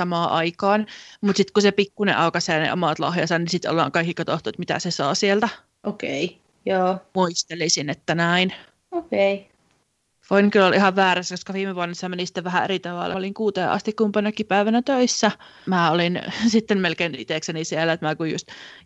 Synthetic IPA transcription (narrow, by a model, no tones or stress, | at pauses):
sɑmɑːʔɑikɑːnmut̪sit̪kusepikːunḛʔɑukɑseːnḛʔo̰mɑˑt̪lɑ̰hjɑsɑnnisit̪o̰lːɑ̰ːŋkɑikːikɑt̪oht̪uet̪mit̪æ̰sesɑ̰ːsielt̪æ | okei | joːmuist̪elisinet̪ːænæin | okei | foinkylːolihɑʋʋæːɾæskoskɑʋiːmeʋuonːɑsːɑmenisi̥t̪ːeʋæhæḛɾit̪ɑʋɑ̰lːɑoliŋkuːt̪ḛːʔɑ̰st̪ikkumpɑnːɑkːipæiʋænæt̪øisːæ | mæːolinsit̪ːemmelkeinḭt̪eˑksenisielːæet̪mæːkujṵst̪